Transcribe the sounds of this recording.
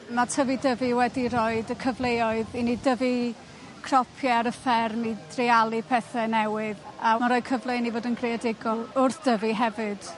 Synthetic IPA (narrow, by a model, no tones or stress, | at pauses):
matʰəvidəviwɛdiɾoːɨdəkʰəvlˠejɔɨðinidəvi | kʰrɔpʰjɛɾəfɛrmid̥rɪalˠipʰɛθɛnɛwɪðamaɾɔːɨd̚kʰəvlˠejnivoːdənɡrejadɪɡɔlˠʊrθd̥əviɦɛvɨd̥